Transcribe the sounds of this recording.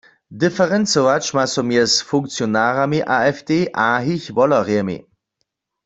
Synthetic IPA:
difɛʁɛnt͡sowat͡ʃmasɔmjɛsfʊŋk̚t͡sjonaːʁamiʔaːɛfdeːʔaːɦiçʋɔlɐʁɛmḭ

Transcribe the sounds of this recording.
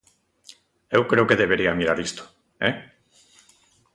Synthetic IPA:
ewkɾewkeðeβ̞eɾiamiɾaɾist̪o̥ | ḛ

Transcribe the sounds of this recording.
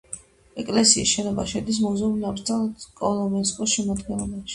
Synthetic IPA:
ɛkʼlɛsiḭsʃɛnɔbaʃɛd̪is̬muzɛunavɾt̪sʰɛlkʼɔlˠɔmɛnskʼɔsʃɛmad̪ɡɛnlˠɔbaʃi̥

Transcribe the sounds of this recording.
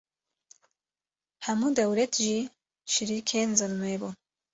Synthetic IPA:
hɐmuːd̪ɐwlet̪ʰʒiː | ʃiɾiːkʰenzɨlmebun

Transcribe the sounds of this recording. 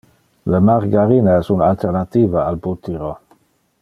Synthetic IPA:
ləmaʁɡaɾinaɛsunalt̪eɾnat̪iːvaalbut̪iɾo

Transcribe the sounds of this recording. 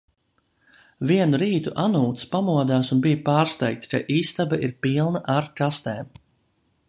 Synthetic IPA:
viɛnuɾiːt̪uʔanuːt̪spamuɔd̪aːsunbijapaːɾst̪ɛjk̚t̪ska̰ʔiːst̪abaʔiɾpilˠnaʔaɾkast̪eːm

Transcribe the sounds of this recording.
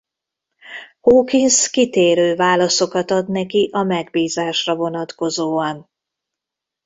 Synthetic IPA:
hoːkinskit̪eːɾøːvaːlɒso̞kɒt̪ɒd̪nɛkiʔɒmɛɡ̚biːzaːʃrɒvo̞nɒt̪ko̞zoːɒn

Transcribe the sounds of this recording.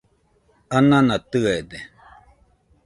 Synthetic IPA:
anãnat̪ɨed̪e

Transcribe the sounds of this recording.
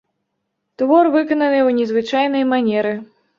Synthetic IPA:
t̪vɔrvɨkɐnɐnɨwnʲɛzvɨt͡ʂajnɐjmanʲɛɾɨ

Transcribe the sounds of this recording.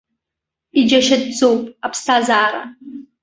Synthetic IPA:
id͡ʒɐʃɐd̚d͡zowpʼapstʰaːzaːɾa̰

